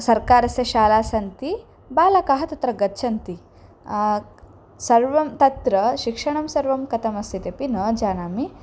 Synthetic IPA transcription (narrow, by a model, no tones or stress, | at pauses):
sɐɾkaːɾɐsjɐʃaːlaːsɐnt̪i | baːlɐkaɦɐt̪ɐt̪ɾɐɡɐtːt͡ʃʰɐnt̪i | sɐɾʋɐmt̪ɐt̪ɾɐʃikʂɐɳɐmsɐɾʋɐmkɐt̪ʰɐmɐst̪ʰit̪ɐpinɐːd͡ʒaːnaːmi